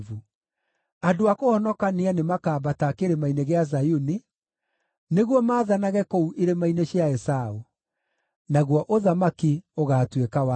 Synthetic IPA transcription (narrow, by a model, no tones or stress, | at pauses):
vu | adoakohɔnɔkanianemakaːbatakeɾemaineɣeaz̬ajuni | neɣwɔmaːðanaɣɛkouʔeɾemaineɕiaɛsao | naɣwɔʔoðamakioɣaːtwekawa